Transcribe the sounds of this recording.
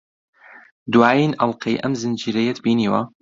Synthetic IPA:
d̪waːjiːnʔɐlˠqʰɐjʔɐ̰mzɨnd͡ʒiːɾɐjɛt̪biːniːwɐ

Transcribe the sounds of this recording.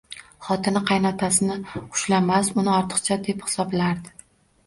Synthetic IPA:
χɒt̪ʰɪnɪqʰɑjnɒt̪ʰasɪnɪʊ̥ʃlamasʊnɪɒɾt̪ʰɨ̥qt͡ʃʰad̪e̞phɪ̥sɒblaɾd̪ɪ

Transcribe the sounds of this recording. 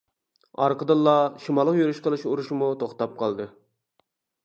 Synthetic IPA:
ɑɾqəd̪ɨlˠːɑʃimɑlˠːəqjyɾyʃqəlˠɨʃuɾuʃmut̪ʰoχt̪ɑp̚qʰɑlˠd̪ɨ

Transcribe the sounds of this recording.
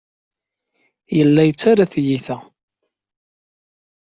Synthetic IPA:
jəlːæjət͡sːaɾaθjiθæ

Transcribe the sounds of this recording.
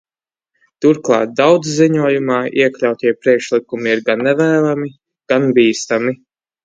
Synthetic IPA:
t̪uɾklˠɑ̰ːt̪̚d̪awd̪zziɲuɔjumɑːʔiɛklʲawt̪ʲiɛpɾiɛkʃlikumiiɾɡanːɛvæːlˠami | ɡ̥anbiːst̪ami

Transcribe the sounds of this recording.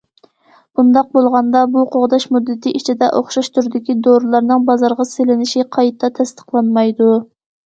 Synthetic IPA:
b̥und̪ɑq̚bolˠʁɑnd̪ɑbuqʰoʁd̪ɑʃmud̪ːɪt̪ʰɪʔit͡ʃʰid̪ɛʔoχʃɑʃt̪ʰuɾɪd̪ɪkʲid̪oɾlˠɑɾnɨŋbɑzɑɾʁɑselɪnɪʃiqʰɑjt̪ʰːɑt̪ʰɛst̪ə̥qlˠɑnmɑjd̪u

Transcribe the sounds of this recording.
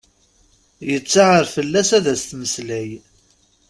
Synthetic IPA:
jət͡sːaʕəɾfəlːæsæðæst̪məslæj

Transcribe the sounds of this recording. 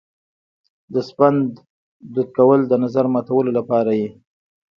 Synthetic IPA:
d̪əspand̪ː | ud̪̚kawəld̪ənazaɾmɑt̪awəlolapɑɾaje

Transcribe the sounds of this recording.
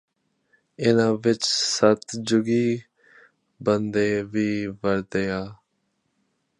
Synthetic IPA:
ɪnãːʋɪt͡ʃsət̪d͡ʒʊɡiː | bənd̪eːʋiːʋəɾd̪eːaː

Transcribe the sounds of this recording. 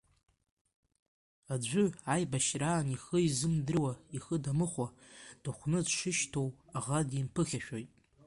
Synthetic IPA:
ad͡ʒʷʊajbaʃraːniχəizɨmdɨrwaiχədamɨχʷad̥aχʷnɨdʂɨʃtʰowaʁadimpʰɨχʲaʃᶣo̞jtʼ

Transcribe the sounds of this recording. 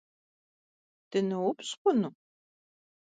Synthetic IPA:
d̥ɨnɐwʊpɕqʷʊnu

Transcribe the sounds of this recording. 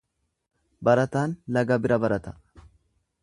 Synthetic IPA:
bɐɾɐt̪aːnlɐɡɐbɪɾɐbɐɾɐt̪ɐ̥

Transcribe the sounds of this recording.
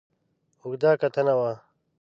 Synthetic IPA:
uɡd̪aːkɐt̪ʰɐnɐwaː

